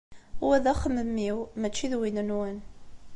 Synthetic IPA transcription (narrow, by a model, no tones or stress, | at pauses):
wæðæχəməmːiwmæt͡ʃːiðwinənwæn